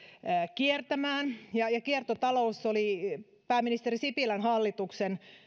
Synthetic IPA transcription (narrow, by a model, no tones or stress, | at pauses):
kiert̪æmæːnjɑjɑkiert̪ot̪ɑlousːoli | pæːmːinist̪erisipilænɦɑlːit̪uksen